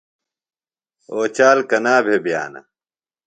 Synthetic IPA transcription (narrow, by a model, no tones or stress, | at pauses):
oːt͡ɕaːlkɐnaːbʱebja̰ːnɐ̰